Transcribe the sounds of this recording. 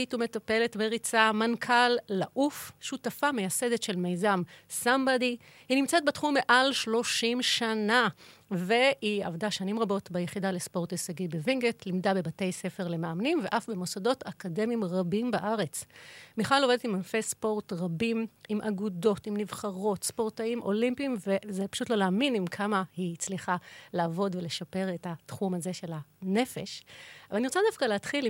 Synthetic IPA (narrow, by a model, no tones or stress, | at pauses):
itume̞tape̞letbeʁit͡samankʰalːaʔufʃutafamejase̞detʃe̞lmejzamsambadi | hinimt͡set̚betχumːeʔalʃlo̞ʃimʃanavehiavdaʃanimʁabo̞tbejeχidalespo̞ʁtesaɡibeviŋɡetlimdabe̞bate̞jse̞fe̞ʁle̞meamnimve̞ʔafbe̞mo̞sado̞tʰakade̞mimʁabimbaʔaʁe̞t͡smiχalo̞vedetimanfespo̞ʁtʁabimimʔaɡudo̞timnivχaʁo̞tspo̞ʁtaimʔo̞limpimve̞zepḁʃutlo̞leːminimkʰamahit͡sliχalaːvo̞dvele̞ʃape̞ʁetatχumaze̞ʃe̞lane̞fe̞̰ʃavaniʁot͡sadafkaleːt̪χil